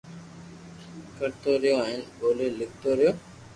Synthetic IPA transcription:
kəɾt̪oːɾɪjoːaːɦɪnɓoːleːlɪk̚ʰt̪oːɾɪjoː

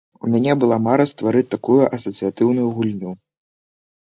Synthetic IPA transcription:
umʲanʲɛbɨlˠamaɾɐst̪vaɾɨt̪akujuʔɐsɐt̪sɨjat̪ɨwnujuɣulʲnʲu

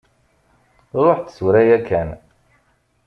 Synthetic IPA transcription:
ðˤoħθswɾæjækːæn

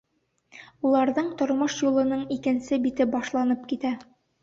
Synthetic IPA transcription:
ulˠɑɾðɤɴt̪ŏɾmɤʃjulˠɤ̆nɤɴikɘ̆nsɘbit̪ɘbɒʃlˠɑnɤp̚kit̪æ

